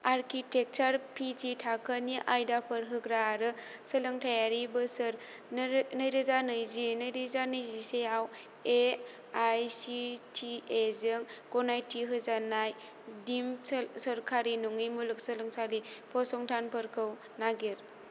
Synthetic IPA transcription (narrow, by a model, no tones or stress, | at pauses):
aɾkʰitek̚t͡ʃaɾpʰititʰakʰəniʔajdapʰəɾɦɯkɾaɾɯ | səlɯŋtʰajaɾibɯsɯɾ | nɯjɾɯzanɯjzinɯjɾizanɯjzisejaw | e | ajsitʰiezɯŋkɔnajtʰiɦɯzanaj | dimsɐɾkʰaɾinuŋijmulɯk̚səlɯŋsalipʰɔsɔŋtʰanpʰəɾkʰɯw | naɡeɾ